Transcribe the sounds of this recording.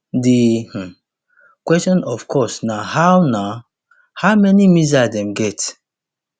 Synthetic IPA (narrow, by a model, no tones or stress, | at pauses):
dih̩ | kwɛstɔ̃nɔfkʰɔsnahawna | hamɛnimizadɛ̃mɡɛt